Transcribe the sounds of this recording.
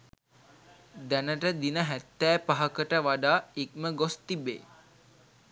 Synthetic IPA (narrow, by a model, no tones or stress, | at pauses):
d̪ænəʈəd̪inəɦæt̪ːɛːpaɦəkəʈəʋaɖaːik̚məɡost̪ibḛː